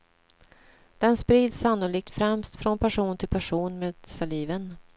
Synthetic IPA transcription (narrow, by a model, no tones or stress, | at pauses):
d̪̥ɛnspɾiːd̪sːanːʊliːk̚t̪fɾɛmst̪fɾɔnpʰæʂuːnt̪ʰɪlpʰæʂuːnmeːd̪saliːvən